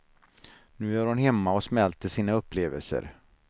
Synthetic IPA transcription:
nʉ̟ːæɾhʊnɦɛmːaɔsmɛlt̪əʂiːnaɵpːleːvəlsə̰ɾ

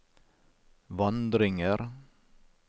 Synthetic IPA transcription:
ʋɑnd̪ɾɪŋəɾ

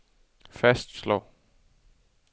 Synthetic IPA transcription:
fæsd̥slɒ̰ː

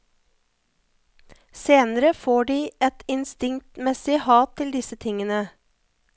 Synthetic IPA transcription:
seːnəɾəfoːɖiːʔɛt̪ɪnst̪ɪŋt̪mɛsɪhɑːt̪ʰtɪld̪ɪsət̪ʰɪŋənə

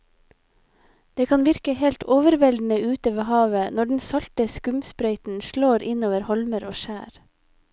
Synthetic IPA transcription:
d̪̥eːkʰɑːnʋɪɾkəhɛlt̪ʰoːʋəɾʋɛld̪n̩əʔʉːt̪əʋeːhɑːʋənɔɖn̩sɑlt̪əskʉmspɾœʏt̪n̩ʃɭoːɾʔɪnoːʋəɾhɔlməɾoːʃæːɾ

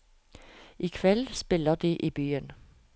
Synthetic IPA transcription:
ʔiːkʰʋɛlspɪləd̪iːʔiːbyːən

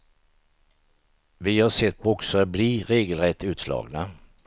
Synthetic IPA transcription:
vɪhaʂɛt̪ːbʊksəɾbliɾeːɡəlɾɛt̪ʰːʉ̟ːt̪slɑ̰ːɡna

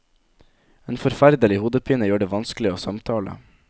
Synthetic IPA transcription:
eːnfɔɾfæɾd̪əlɪhuːd̪əpʰiːnəjoːɖeːʋɑnsklɪoːsɑmt̪ʰɑːlə̰

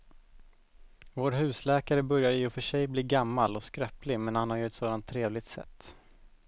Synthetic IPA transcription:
voːɾɦʉ̟ːslɛːkaɾəbœɾjaɾɪjʊfœʂɛjbliːɡamːalɔskɾœplɪmɛnhanhaɾjɵɛt̪soːd̪ant̪ʰːɾeːvlɪt̪sɛ̰t̪ː

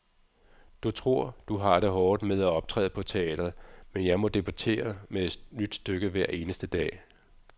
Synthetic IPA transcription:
d̥ut͡sʰʁo̝ɐ̰d̥uɦɑ̈ɾ̥eɦɒːd̥meðˠæɒ̽b̥̚t͡sʰʁɛ̰ːð̩ˠpʰɒ̽t͡sʰe̝ɛ̰ːd̥ʁɐð̩ˠmenjɑ̈ɪmɒ̽d̥e̝bʰut͡sʰe̝̰ːɐmeed̥nyd̥sd̥øɡ̥əʋæɐ̰ʔe̝ːnəsd̥əd̥ɛ̰ː

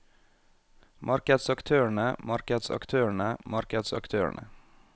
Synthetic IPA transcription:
mʔɑɾkəd̪sɑkt̪ʰøːəɳəmɑɾkəd̪sɑ̰kt̪ʰøːəɳəmɑɾkəd̪sɑ̰kt̪ʰøːə̰ɳʔə̰

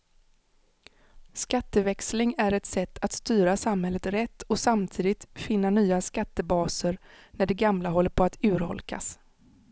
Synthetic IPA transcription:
skat̪ːəvɛkslɪŋæɾɛt̪sɛt̪ːat̪st̪yːɾasamhɛlːət̪ɾɛt̪ʰːɔsamt̪ʰiːd̪ɪt̪fɪnːanyːaskat̪ːəbɑːsəɾ | næɖɛɡamlaɦɔlːəɾpʰɔat̪ʉ̟ːɾhɔ̰lka̰s

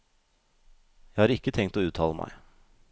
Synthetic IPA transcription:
jæɪhɑːɾɪkːət̪ʰɛŋt̪oːʉːt̪ʰɑ̰ːləmʔæ̰ɪ

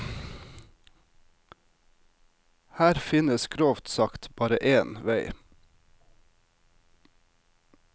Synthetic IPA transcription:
hæːɾfɪnəskʰɾoːʋt̪sɑkt̪b̥ɑːɾəʔeːnʋæɪ

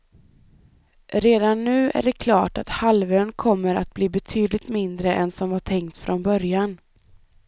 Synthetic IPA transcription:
ɾeːd̪anːʉ̟ːʔæ̰ɖɛkʰlɑːʈat̪halvøːnkʰɔmːəɾat̪̚bliːbɛt̪ʰyːd̪lɪɡ̚t̪mɪnd̪ɾəʔɛnsɔmvaʈʰɛŋkt̪sfɾʔɔnbœɾjan

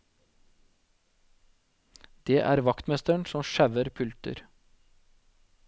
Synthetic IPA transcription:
d̪̥eːʔæ̰ːɾʋɑkt̪mɛst̪əɳsɔmʃæʋəɾpʰʉlt̪ə̰ɾ

